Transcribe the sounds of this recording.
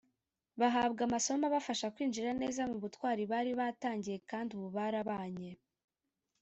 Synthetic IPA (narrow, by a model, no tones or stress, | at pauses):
βaɦaːbɡamaso̞maβafaʃakwiːnʒiɾane̞ːzamuβutwaːɾiβaːɾiβataːɲɟije̞kaːnduβuβaɾaβaːɲe̞